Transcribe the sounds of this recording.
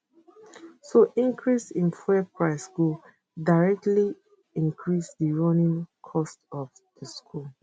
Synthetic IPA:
soʔĩŋkʰɹisĩnfɛpʰɹaɪsɡu | daɹɛk̚tli | ĩŋkʰɹisdəɹɔ̃nĩŋkʰɔstɔf | dəskʰul

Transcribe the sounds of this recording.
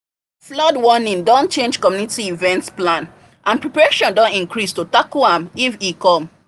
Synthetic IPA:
flɔdwɔnĩndɔ̃nt͡ʃẽnd͡ʒkɔmjunitiivɛ̃ntsplãn | ʔãnpɹɛpaɹeʃɔ̃ndɔ̃nĩŋkɹistutakuãmifikɔ̃m

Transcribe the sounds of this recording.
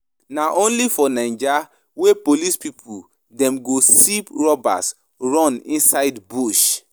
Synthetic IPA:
naʔõnlifɔnãɪ̃nd͡ʒa | wepolispipʰu | dɛ̃mɡosipɹɔba̰s | ɹɔ̃nĩnsaɪdbuʃ

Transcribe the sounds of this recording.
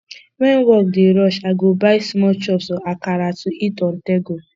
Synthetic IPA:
ŋʷen̩wɔk̚dɪɾɔʃaɡobaɪsmɔt͡ʃɔpsɔakaɾatʊitɔn̩teɡo

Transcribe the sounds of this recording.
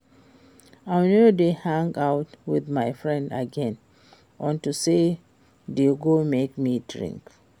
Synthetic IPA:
aɪnodehãŋaʊtwiðmaɪfɹɛ̃nda̰ɡɛ̃n | ʔɔ̃ntuse | deɡomekmidɹḭ̃ŋk

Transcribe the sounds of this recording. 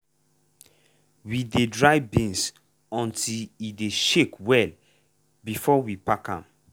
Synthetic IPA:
widedɹajbĩns | ɔ̃ntilideʃekwɛl | bifɔwipakã̰m

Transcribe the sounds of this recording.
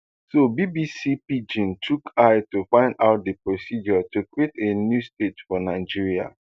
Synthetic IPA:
sobibisipid͡ʒĩntʰukʰaɪtufãɪ̃ndaʊt̚dəpɹosid͡ʒɔtukwitenjustetfɔnaɪd͡ʒiɹia̰

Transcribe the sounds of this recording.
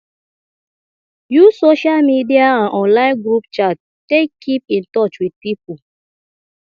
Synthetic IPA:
jusoʃalmidiaãnʔɔ̃nlãɪ̃nɡɾup̚t͡ʃat | tekʰːipĩntɔt͡ʃwid̚pipu

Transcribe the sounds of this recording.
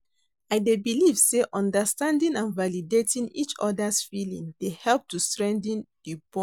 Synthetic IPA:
aɪdebilivseʔɔ̃ndəstãndĩnãnvalidetĩŋḭt͡ʃɔ̰dasfilḭ̃ŋd̥ehɛlp̚tustɹɛ̃ndə̃nd̥ib̥ɔ̃

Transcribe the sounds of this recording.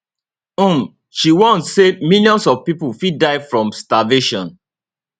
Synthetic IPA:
ũm | ʃiwɔ̃ntsemiljɔ̃nsɔvpipulfidaɪfɹɔ̃mstaveʃɔ̃n

